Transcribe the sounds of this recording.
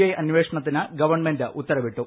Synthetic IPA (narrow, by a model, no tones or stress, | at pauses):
ɐjɐnʋeːʂɐɳɐt̪̬ːinɨɡɐʋɐrɳmendɨʔut̪ːɐrɐʋiʈːu